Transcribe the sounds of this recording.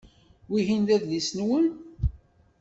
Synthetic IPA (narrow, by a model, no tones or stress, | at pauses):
wiɦinðæðlisnwən